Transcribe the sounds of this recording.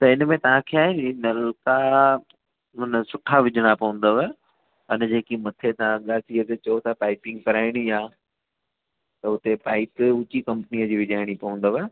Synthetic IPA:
t̪ɐɪnmẽt̪ɐʋ̤ãkʰeaːɦẽnɐlka | ɦʊnəsʊʈʰaʋɪd͡ʑʱəɽ̃apɐʋə̃n̆d̪əʋe | ɐnd͡ʑeːkimɐt̪ʰet̪ɐʋãɠaːsiət̪et͡ɕɐot̪ʰapaːɪpɪ̃ŋɡkɐɾaːɪɽ̃iaː | t̪ɐʊt̪epaːɪpʊt͡ɕikɐ̃mpnijəd͡ʑiːʋɪd͡ʑʱaːɪɽ̃ipɐə̃n̆d̪əʋe

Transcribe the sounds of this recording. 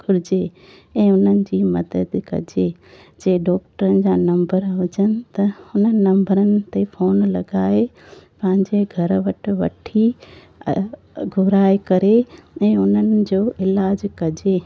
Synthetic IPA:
ɡʱʊɾɪd͡ʑe | ɛ̃ːʊnənɪ̆d͡ʑiːmɐd̪əd̪kɐ̰d͡ʑe | d͡ʑeːɖɔːk̚ʈəɾənɪ̆d͡ʑaːnɐ̃mbəɾʋɐd͡ʑənɪ̆t̪ɐhʊnənɪnɐ̃mbəɾənɪ̆t̪efoːnlɐɡaːe | pɐ̃ɦɪ̃ɲd͡ʑeɡʱɐɾʋɐʈʰɪ̆ʋɐ̰ʈʰḭ | ɡʱʊɾaːekɐɾeɛ̃ːʊn̤ənɪ̆d͡ʑoːɪlaːd͡ʑkɐd͡ʑe

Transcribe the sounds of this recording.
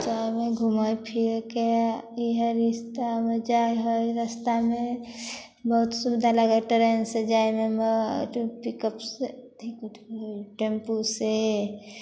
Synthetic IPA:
d͡ʒameɡʱumajpʰiɾkeiɦəɾist̪amed͡ʒajɦojɾəst̪ame | bəɦut̪subd̪ʱalaɡəʈəɾensed͡ʒajmeməpikəpset̪ʰikuʈʰojʈempuse

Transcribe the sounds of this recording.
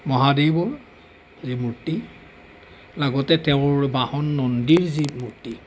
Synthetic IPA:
mɔɦadebɔ | zimuɹti | laɡɔtɛtɛʊ̃ɹbahɔnːɔndiɹzimuɹti

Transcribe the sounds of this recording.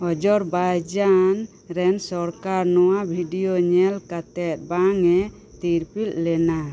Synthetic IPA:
ɔd͡ʒɔɾbajd͡ʒan | ɾɛnsɔɾkaɾnɔwabʱiɖijoɲɛlkat̪ɛt̪̚baŋɛ | t̪iɾpil̚lɛna

